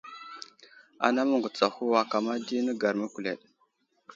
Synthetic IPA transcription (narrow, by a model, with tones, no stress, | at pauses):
a̰˨na˦mə˦ŋɡu˨t͡sa˨hu˦wa˦ka˨ma˦di˦nə˦ɡa˨ɾmə˦kʷu˨lḛ˨ɗ